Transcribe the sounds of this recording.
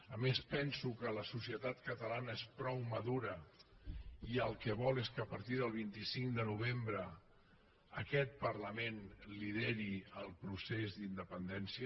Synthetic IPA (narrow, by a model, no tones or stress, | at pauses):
əmespɛnsukələsusiət̪at̪kət̪əlanəespɾɔwməðuɾə | iəlˠkəβɔlˠeskəːpəɾt̪iðəlˠβ̞int̪isiŋd̪ənuβ̞embɾə | əkɛt̪̚pərləmenliðeɾiəlˠpɾusezd̪ind̪əpənd̪ɛnsiə